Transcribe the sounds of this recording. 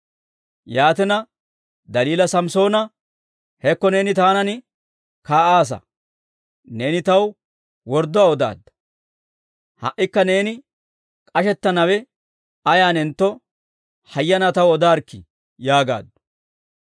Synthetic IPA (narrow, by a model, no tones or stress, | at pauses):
jaːt̪ɪnɐ | d̪ɐliːlɐsɐmso̞ːnɐ | hɛkːɔne̞ːnɪt̪aːnɐnɪ | kaːʔaːs̬ɐ̰ | ne̞ːnɪt̪ɐw | wɔɾd̪ːɔaːɔd̪a̰ːd̪ːɐ̥ | hɐ̰ʔːɪkːɐne̞ːnɪ | kʼɐʃɛt̪ːɐnɐwɛ | ɐjaːnɪnt̪ːɔ | hɐjːɐnɐt̪ɐwɔd̪aːɾkːɪ̰ | jaːɡa̰ːd̪ːʊ̥